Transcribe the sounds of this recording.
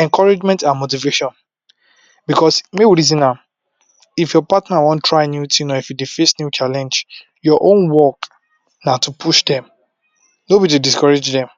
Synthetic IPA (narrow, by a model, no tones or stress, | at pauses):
ɛ̃ŋkʰɔɹed͡ʒmɛ̃ntãnmotiveʃɔ̃n | bikɔsmewiɹizĩna | ifjɔpatnawɔ̃ntʰːɹaɪnjutʰĩnɔifjudefesnjut͡ʃalɛ̃nd͡ʒ | jɔʔõnwɔk | natupʰuʃdɛ̃m | nobɔitudiskɔɹed͡ʒdɛ̃m